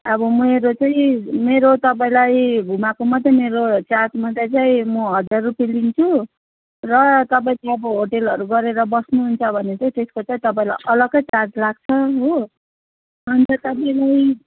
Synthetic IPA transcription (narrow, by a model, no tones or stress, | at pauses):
ʌbʌmʌeɾot͡saĩmeɾot̪ʌp̬aĩlajɡʱumakomʌd̪ʱʌmeɾot͡satmʌd̪at͡saĩmʌɦʌd͡zarrupilint͡sʰu | rʌt̪ʌpaĩt͡sajʌbʌɦoʈelʌɾuɡʌɾeɾʌbʌsnuɦunt͡sʰʌbʱʌnet͡sot̪eskot͡saĩt̪ʌpaĩla̰jʔʌlʌɡʌjt͡sad͡zlaɡ̚t͡sʰʌɦo | ɦunt͡sʰʌt̪ʌpaĩlaj